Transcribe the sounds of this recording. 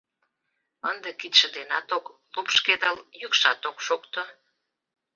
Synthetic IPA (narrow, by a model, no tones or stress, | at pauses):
ənd̪ekit̪ʃə̆d̪enɑt̪oklupʃked̪əljukʃɑ̰t̪okʃokt̪o